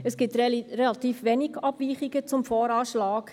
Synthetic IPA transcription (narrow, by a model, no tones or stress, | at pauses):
əsɡ̥itrelɑt̪iːfʋɛniɡɑb̥viːχiɡət͡sʊmfɔːɾɑːʃlɑːk